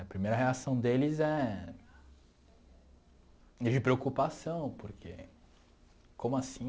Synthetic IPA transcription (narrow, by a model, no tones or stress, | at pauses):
ɐpɾimejɾɐɦeasɐ̃w̃d̪elɪzɛ | id͡ʒɪpɾeokupasɐ̃w̃poɾkʰḛ | kõmʊasĩ